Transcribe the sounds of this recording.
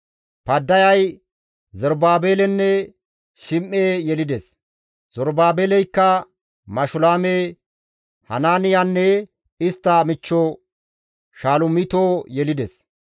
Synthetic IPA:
pɐd̪ːɐjɐj | zɔɾbaːbeːlɛnːɛ | ʃɪmʔeːjɛlɪd̪ɛs | z̥ɔɾbaːbeːlɛjkːɐ | mɐʃʊlaːme | hɐ̰naːnɪjanːɛ | ɪst̪ːɐmɪt͡ʃːo | ʃaːlʊmɪt̪oːjɛlɪd̪ɛs

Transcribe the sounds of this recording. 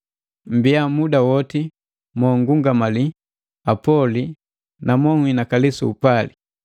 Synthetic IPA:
m̩biamudawɔti | mɔŋɡuŋɡamali | apɔli | namɔŋwinakalisuːpali

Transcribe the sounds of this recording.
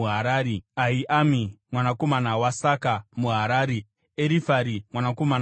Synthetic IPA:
uɦaɾaːɾiaiʔamimwanako̞manawasakamuɦaɾaːɾi | eɾifaɾimwanako̞man

